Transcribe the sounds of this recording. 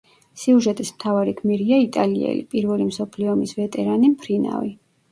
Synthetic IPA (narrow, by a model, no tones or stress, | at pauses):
siuʒɛt̪ʼismt̪ʰavaɾikʰmiɾiait̪ʼaliɛ̰lḭpʼiɾvɛlimsɔpʰliɔmisvɛt̪ʼɛɾanimpʰɾina̰vi